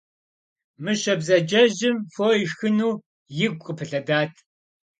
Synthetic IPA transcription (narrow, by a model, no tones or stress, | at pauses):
mɨɕɐbzɐd͡ʒɐʑɪmfoːixɨnuː | jɪɡʷʼqʼəpʰɨɬɐdaːtʰ